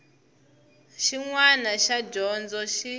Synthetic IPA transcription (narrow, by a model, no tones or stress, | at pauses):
ʃiŋwanaʃaɟɔnd͡zɔʃi